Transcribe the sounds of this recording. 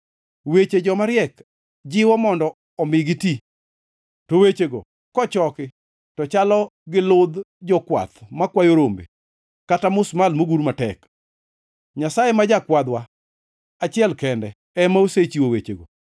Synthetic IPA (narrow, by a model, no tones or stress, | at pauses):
wet͡ʃed͡ʒɔmaɾjɛk | d͡ʒɪwɔmɔndɔː | mɪɡɪti | towet͡ʃeɡo̰ | kɔt͡ʃɔkɪ | tɔt͡ʃalɔɡɪlʊd̪d͡ʒɔkwa̰t̪makwajoɾombḛ | katamʊsmalmoɡuɾmatɛk | ɲasajemad͡ʒakwad̪wa | at͡ʃɪɛlkɛndɛ | ɛmaoset͡ʃiwowet͡ʃḛɡo̰